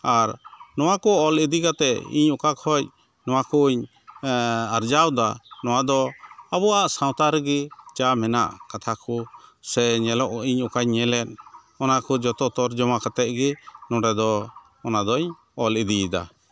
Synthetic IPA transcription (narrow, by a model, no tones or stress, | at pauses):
aɾnɔwakɔɔlid̪ikat̪ɛʔḭɲukakhɔc̚ | nɔwakɔɲ | aɾd͡ʒawd̪anɔ̃wad̪ɔabɔaʔsãw̃t̪aɾɛɡɛt͡ʃamɛna̰ʔkat̪ʰakɔsɛɲɛlɔʔiɲukaɲɲɛlɛn | ɔnakɔd͡ʒɔt̪ɔt̪ɔɾd͡ʒɔmakat̪ɛʔɡɛnɔ̃ɖɛd̪ɔ | ɔnad̪ɔɲ | ɔlid̪id̪a̰